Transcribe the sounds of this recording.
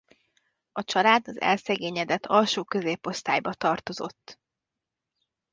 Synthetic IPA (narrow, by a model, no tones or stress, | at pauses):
ɒt͡ʃɒlaːd̪ɒzɛ̰lsɛɡeːɲɛd̪ɛt̪ʰːɒlʃoːkø̞zeːpo̞st̪aːjbɒt̪ɒrt̪o̞zo̞̰t̪ː